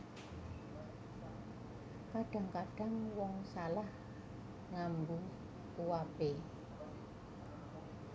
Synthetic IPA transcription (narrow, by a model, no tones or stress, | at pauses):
kaɖ̥a̤ŋkaɖ̥a̤ŋwɔŋsalah | ŋambu | kuwape